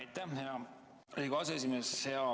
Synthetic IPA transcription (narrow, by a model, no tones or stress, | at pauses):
jt̪ːˑæhɑ | iɡoɑs̬ees̬ʲimesseɑ